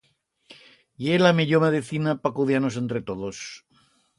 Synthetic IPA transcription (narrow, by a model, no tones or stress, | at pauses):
ielameʎomeðiθinapakuðjanose̞nt̪ɾet̪oð̞os